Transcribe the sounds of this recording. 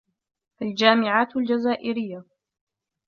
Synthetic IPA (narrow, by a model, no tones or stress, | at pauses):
ʔald͡ʒaːmɪʕaːt̪ald͡ʒazaːʔɪɾɪjːa